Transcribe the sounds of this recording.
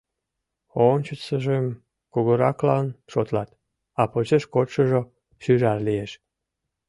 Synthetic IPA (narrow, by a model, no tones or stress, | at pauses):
ont͡ɕət͡səʒem | kuɣoɾɑklɑnʃot̪lɑt̪̚ | ɑpot͡ɕeʃkot̪ʃəʒo | ʃyʒɑrlieʃ